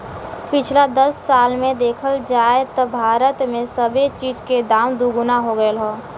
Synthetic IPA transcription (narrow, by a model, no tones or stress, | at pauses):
pɪt͡ʃʰlad̪əsːaːlmẽd̪eːkʰəld͡ʒaːet̪ɔbʱaːɾət̪mẽsəbet͡ʃiːd͡ʒked̪aːmd̪uɡʊnaɦoɡəelɦoː